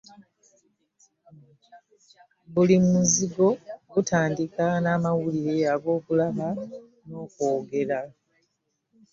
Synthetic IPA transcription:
bulimmuziɡo̞ɡutʰaːndikanaːmawuliɾe̞aɡo̞ːkulaβa | no̞ːko̞ːɡe̞ɾa

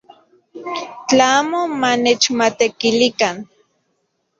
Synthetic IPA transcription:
t͡ɬaaːmomanet͡ʃmat̪ekilikan

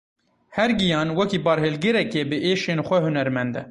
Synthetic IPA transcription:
hɛɾɡijɑːnwɛkiːbɑːɾhelɡɨɾɛkebɨʔeːʃeːnxʷɛhunɛɾmɛnd̪ɛ̰

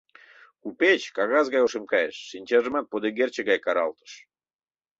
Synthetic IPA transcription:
kupet͡ɕkɑɣɑzɣɑjoʃemkɑjeʃːinʲt͡ɕɑʒəmɑt̪̚pod̪eɣert͡ɕəɣɑjkɑɾɑ̰lt̪ə̥ʃ

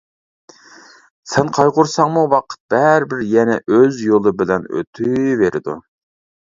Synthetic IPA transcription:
sɛnqʰɑjʁʊɾsɑŋmuwɑqʰə̥t̪̚b̥ɛɾbɪɾjɛnɛ̰ʔøzjolˠɨbɪlɛnø̰t̪ʰyveɾɪd̪u

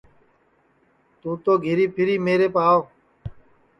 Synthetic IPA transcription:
t̪ũːt̪oːɡʱɪɾiːpʰɪɾiːmeːɾeːpaːoː

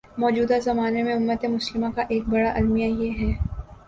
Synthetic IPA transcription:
mɔːd͡ʒuːd̪azɐmaːnemẽʊmːət̪emʊslɪmãkaʔeːk̚bɐɽaʔɐlmijajeɦɛː

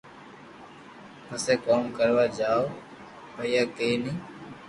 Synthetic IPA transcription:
pəseːkoːmkəɾʋaːd͡ʒaːoː | pəɪjaːkeːnĩː

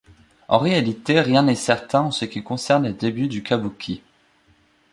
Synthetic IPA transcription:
ɑ̰̃ʁealit̪eʁjɛ̃nɛsɛʁt̪ɛ̃ɑ̃səkʲikɔ̃sɛʁnləd̪ebyd̪ykabukʲʰi

